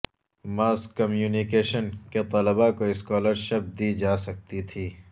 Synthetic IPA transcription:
maːskkːɐmjuːnikeːʃənket̪ɐləbakoɪskɔːləɾʃɐp̚d̪iːd͡ʒaːsɐk̚t̪it̪ʰiː

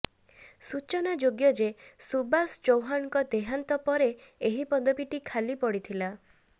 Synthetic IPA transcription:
sut͡ʃɔnad͡ʒoɡjɔd͡ʒesubasd͡ʒowɦankɔd̪eɦant̪ɔpɔɾeeɦipɔd̪ɔbiʈikʰalipɔɽit̪ʰila

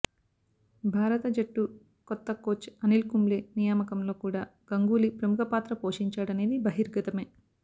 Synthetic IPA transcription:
bʱaːɾɐt̪ɐd͡ʒɐʈːu | kɔt̪ːɐkoːt͡ʃɐnilkumleːnijaːmɐkɐmlo̞ːkuːɽaːɡ̥ɐŋɡuːlipɾɐmukʰɐpaːt̪ɾɐpoːʂiɲt͡ʃaːɽɐne̞ːd̪ibɐɦiɾɡɐt̪ɐme̞ː

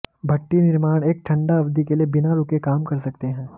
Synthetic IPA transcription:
bʱɐʈːinɪɾmaːɽ̃eːk̚ʈʰɐ̃ɳɖaɐbd̪ikeliebɪnaɾʊkekaːmkɐɾsɐk̚t̪eɦɛ̃ː

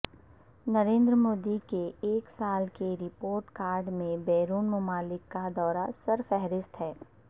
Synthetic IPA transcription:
nɐɾẽːnd̪ɾəmoːd̪ikeeːksaːlkeɾɪpoːɾʈkaːɾɖmẽbɛːɾuːnmʊmaːlɪkːad̪ɔːɾasɐɾfɛɦɾɪst̪ɦɛː

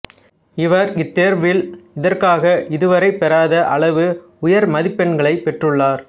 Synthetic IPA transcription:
ɪʋɐɾɪt̪ːeːɾʋɪlɪðɐrkaːɣɐʔɪðɯʋɐɾɐɪpːɛɾaːðɐʔɐɭɐʋɯ | ʊjɐɾmɐðɪpːɐɳɡɐɭɐɪpːɛʈrɯɭːaːɾ

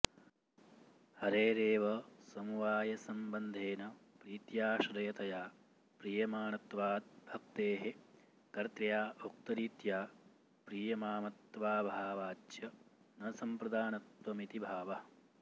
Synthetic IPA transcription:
hɐɾeːɾeːʋɐsɐmuʋaːjɐsɐmbɐnd̪ʱeːnɐ | pɾiːt̪jaːʃɾɐjɐt̪ɐjaː | pɾiːjɐmaːnɐt̪ʋaːd̪̚bʱɐk̚t̪eːɦe | kɐɾt̪ɾjaːʔok̚t̪ɐɾiːt̪jaː | pɾiːjɐmaːmɐt̪ʋaːbʱaːʋaːt͡ʃjɐ | nɐsɐmpɾɐd̪aːnɐt̪ʋɐmit̪ibʱaːʋɐ

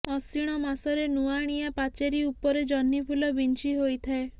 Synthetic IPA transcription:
ɔsiɽ̃ɔmasɔɾenuaɽ̃iapat͡ʃeɾiupɔɾed͡ʒɔnːipʰulɔbint͡ʃiɦojt̪ʰae

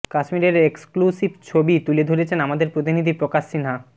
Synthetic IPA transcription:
kaʃmiɾeɾeksklusibt͡ɕʰobit̪uled̪ʱoɾet͡ɕʰenamad̪eɾpɾot̪inid̪ʱipɾokaʃːinɦa

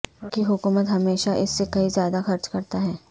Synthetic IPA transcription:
kiɦʊkuːmət̪ɦɐmeːʃaʔɪsːekɐizjaːd̪axɐɾt͡ʃkɐɾt̪aɦɛː

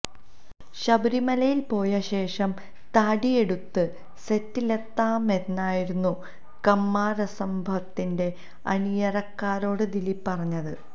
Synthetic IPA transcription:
ɕɐbɐɾimɐlɐjilpo̞ːjɐɕe̞ːʂɐm | t̪aːɽije̞ɽut̪ːɨ | se̞tːile̞t̪ːaːme̞nːaːjiɾunːu | kɐmːaːɾɐsɐmbʱɐt̪ːinde̞ | ɐ̰nijɐrɐkːaːɾo̞ːɽɨd̪ilipːɐrɐɲːɐðɨ

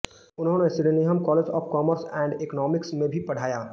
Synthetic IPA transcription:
ʊnɦõːnesɪɽniɦəmkɔːled͡ʒɔ̰ːfkɔːməɾsɛ̃ːɳɖɪknɔːmɪksmẽbʱipɐɽ̤aːjaː

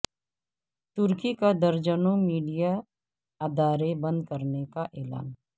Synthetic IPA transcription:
t̪ʊɾkikad̪əɾd͡ʒənõmiːɖija | ad̪ʱaːɾebɐ̃nd̪kəɾnekaʔɛːla̰ːn

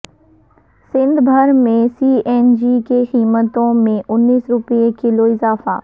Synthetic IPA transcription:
sɪ̃nd̪ʱbʱəɾmẽsiːɛːnd͡ʒikexiːmət̪õmẽʔʊnːiːsɾʊpijekɪloɪzaːfa̰ː

